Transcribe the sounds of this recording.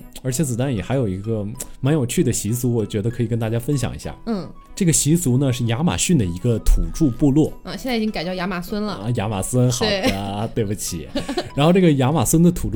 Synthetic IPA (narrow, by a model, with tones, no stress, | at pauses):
ə˞˧˥t͡ɕʰɛ˧˥t͡sɹ̩˨˩t̪a˥˩njɛ˨˩xa˧˥ɪjo˨˩ʊi˧˥ɡə˧ma˧˥njo˨˩ʊt͡ɕʰy˥˩d̪ə˩ɕi˧˥t͡su˧˥wɔ˨˩t͡ɕɥɛ˧˥d̪ə˧kʰɤ˧˥i˨˩kə˥nt̪a˥˩t͡ɕja˥fə˥nɕ̬jɑ̰˨˩ŋʔḭ˧˥ɕja̰˥˩n̩˥˩ | ʈ͡ʂɤ˥˩ɡə˩ɕi˧˥t͡su˧˥nə˧ʂɻ̩˥˩ja˧˥ma̰˨˩ɕy˥˩nd̪ə˩i˧˥ɡə˧t̪ʰu˨˩ʈ͡ʂu˥˧pu˥˧lwɔ˥˩˥ɕjɛ˥˧t͡sa˥˩i˨˩t͡ɕi˥ŋka˨ɪt͡ɕjɑ˥˩ʊja˧˥ma˨˩swə˥nlə˨˧ja˧˥ma̰˨˩swə˥nxɑ˧˨˩ʊə˦t̪we˥˩ɪpu˨˩t͡ɕʰḭ˨˩˦ɻa˧˥nxo˥˧ʊʈ͡ʂɤ˥˩ɡə˩ja˧˥ma˨˩swə˥nd̪ə˨t̪ʰu˨˩ʈ͡ʂ